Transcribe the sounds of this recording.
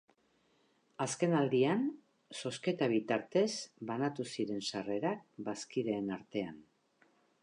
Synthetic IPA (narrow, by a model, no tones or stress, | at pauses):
aske̞nald̪ian | so̞ske̞t̪aβit̪aɾt̪e̞sbanat̪usiɾe̞nsare̞ɾak̚baskiðe̞ːnaɾt̪e̞an